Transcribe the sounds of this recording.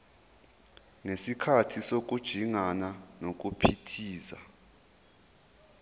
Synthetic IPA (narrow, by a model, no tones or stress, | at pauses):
ŋesikʰatʰisok̬ʼud̥ʒ̥ʱiŋananok̬ʼupʰitʰiːza̰